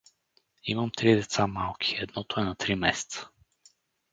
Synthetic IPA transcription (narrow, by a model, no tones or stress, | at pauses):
iməmt̪ɾid̪ɛt̪samalˠkʰʲi̥ɛd̪nɔt̪oɛnat̪ɾimɛsɛ̥t̪sə̥